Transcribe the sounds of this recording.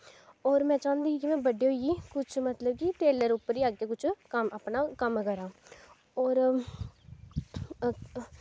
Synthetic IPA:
ɔːɾmɛ̃ːt͡ʃãːnd̪iːiːkɪmɛ̃ːbəɖiːɦoiiːkʊt͡ʃʰmət̪ləb̚kiʈeːləɾʊpːəɾiːaːɡeːkʊt͡ʃʰkəmaːpnaːkəmkəɾaː | ɔːɾ

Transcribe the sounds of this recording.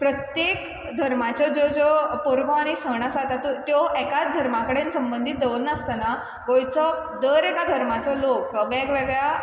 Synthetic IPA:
pɾət̪jek | d̪ʱəɾmat͡ɕɔd͡zod͡zopoɾʋɔaɽ̃isəɽ̃asat̪at̪ut̪jɔʔɛkat͡s̚d̪ʱəɾmãkəɽensəmbənd̪ʱit̪̚d̪əʋnast̪əna | ɡojt͡sɔ | d̪əɾekad̪ʱəɾmat͡sɔlokəɡɛɡʋeɡɭja

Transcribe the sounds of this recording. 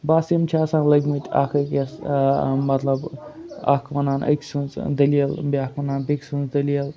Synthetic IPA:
baːsimt͡ʃʰaːsãːnlɐɡʲmɨt̪ʲʰa̰kʰɐkʲes | mɐt̪lɐba̰kʰʋɐnaːnɐ̰ksɨnzd̪ɐlielbʲiaːkʰʋɐnaːnbikʲsunzd̪ɐliɐl

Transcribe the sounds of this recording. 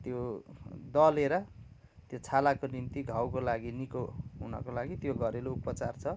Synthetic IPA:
t̪jod̪ʌleɾʌ | t̪jot͡sʰalakonint̪iɡʱawkolaɡinikoɦunʌ̰kolaɡit̪joɡʱʌɾeloupʌt͡sart͡sʰʌ

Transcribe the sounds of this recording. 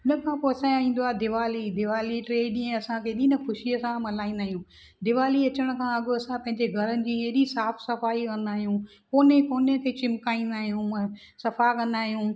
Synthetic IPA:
ɪnəkʰãpoːɐsãaĩːn̆d̪oaːd̪ɪʋaːlid̪ɪʋaːliʈɾeːɗĩːɐsãkʰeːɗiːnəkʰʊʃiəsãmɐlaːĩːnd̪aːɦijũː | d̪ɪʋaːliɐt͡ɕəɽ̃kʰãɐɠɐsãpɐ̃ɦɪ̃ɲd͡ʑeɡʱɐɾənɪ̆d͡ʑiːeɦɗisaːfsɐfaːiʋɐ̃nd̪aːɦijũː | koːnekoːnekʰeːt͡ɕɪmkaːĩːn̆d̪aːɦijũ | sɐfakɐ̃nd̪aːɦijũː

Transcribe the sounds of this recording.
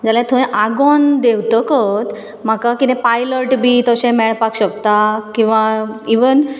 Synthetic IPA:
d͡zaljat̪ʰõẽʔaɡɔnd̪ewt̪əkət̪ | m̤akakit̪ɛ̃pajləɾʈbʱit̪əɕẽmɛɭpakɕəkt̪akĩw̃ʋaiʋən

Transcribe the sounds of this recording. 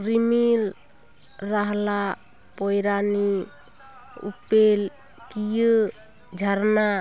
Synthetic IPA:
ɾimil | ɾaɦla | pɔjɾani | ṵpel | kijə | d͡ʒʱəɾna

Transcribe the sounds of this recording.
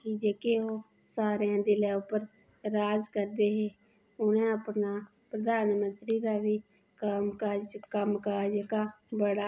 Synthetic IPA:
kid͡ʒeːkeːoː | saːɾeãːd̪eːlɛːʊpəɾ | ɾaːzkəɾd̪eːɦeː | ʊnẽːəpnaː | pɾəd̪aːnmənt̪ɾiːd̪aːʋiː | kəkaːd͡ʒkəmkaːd͡ʒəkaː | bəɽaː

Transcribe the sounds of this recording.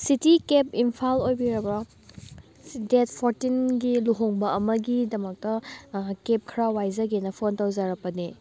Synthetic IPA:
sitikepimpʰalojbiɾɐbɾɐ | detpʰoɾtinɡiluɦoŋbɐɐmɐɡidɐmɐk̚tɐkep̚kʰɾawajzɐɡenɐpʰontawzaɾɐpɐni

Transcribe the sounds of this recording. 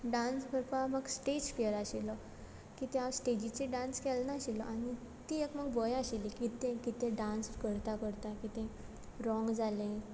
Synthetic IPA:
ɖãnsbʱəɾpaməɡsʈed͡ʑfiəɾaɕilɔ | kit̪ẽasʈed͡ʑit͡seɖãnskɛlnaɕilɔʔaɽ̃i | t̪iekməɡbɔjaɕilikit̪ẽkit̪ẽɖãnskəɾt̪akəɾt̪akit̪ẽ | ɾɔ̃ŋɡd͡zalẽ

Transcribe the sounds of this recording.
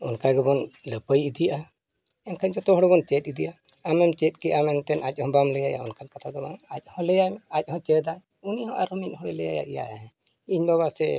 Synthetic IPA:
unkaɡɛbɔnləpəjid̪ijʔa | ɛnkʰaɲd͡ʒɔt̪ɔɦɔɽɛbɔnt͡ʃɛt̪̚id̪ijʔa | amɛmt͡ʃɛt̪̚ˀkɛʔamɛnt̪ɛnac̚ˀhɔ̃bamləjaja̰ɔ̰nkankat̪ʰad̪ɔmaac̚ˀhɔ̃lɛjajmac̚ˀhɔ̃t͡ʃɛd̪aj | uniɔ̃ʔaɾumit̪hɔɽɛlɛja̰ja̰ʔɛja̰ja̰ɦɛ̃ | iɲbaβasɛ

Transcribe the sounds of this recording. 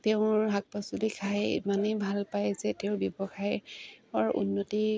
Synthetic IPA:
teʊ̃ɹɦak̚pasulikʰajḭmanebʱalpajzɛteʊ̃bjɔbɔxʰajɔɹṵnːoti

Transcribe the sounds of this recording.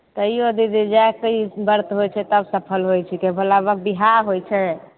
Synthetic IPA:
t̪əiod̪id̪id͡ʒaekəibəɾt̪ɦojt͡ʃʰɛt̪əbsəpʰəlɦojt͡ʃʰikebʱəlabək̚biɦaɾɦojt͡ʃʰɛ

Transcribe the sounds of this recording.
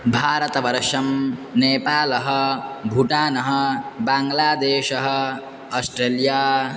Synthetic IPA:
bʱaːɾɐt̪ɐʋɐɾʂɐmneːpaːlɐɦɐ̆bʱuʈaːnɐɦɐ̆baːŋɡlaːd̪eːʃɐɦɐ̆ | ɐsʈɾeːljaː

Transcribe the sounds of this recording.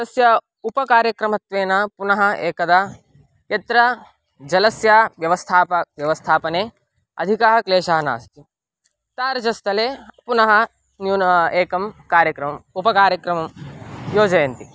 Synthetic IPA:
ɐsjɐ | upɐkaːɾjɐkɾɐmɐt̪ʋeːnɐpunɐɦɐ̆eːkɐd̪ɐ | jɐt̪ɾɐ | d͡ʒɐlɐsjaːʋjɐʋɐst̪ʰaːpɐʋjɐʋɐst̪ʰaːpɐneː | ɐ̰d̪ʱikɐɦɐkleːʃɐɦɐna̰ːst̪ʰi | t̪aːɾd͡ʒɐst̪ʰɐleːpunɐɦɐ | njueːkɐmkaːɾjɐkɾɐmɐmupɐkaːɾjɐkɾɐmɐmjoːd͡ʒɐjɐnt̪i

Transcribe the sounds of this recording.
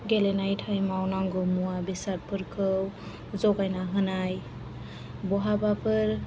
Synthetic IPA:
ɡelɛnajtʰajmawnaŋɡɔmuabisaɾ̚pʰɯɾkʰɯw | zɔɡajnaɦɯnaj | bɔɦabapʰɯɾ

